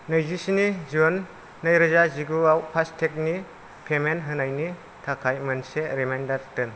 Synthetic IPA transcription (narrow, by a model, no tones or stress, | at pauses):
nɯjzisinizionː | ajɾɯzaziɡuawpʰastʰek̚ni | pʰemenɦɯnajni | tʰakʰajmɯnseɾemandaɾtɯn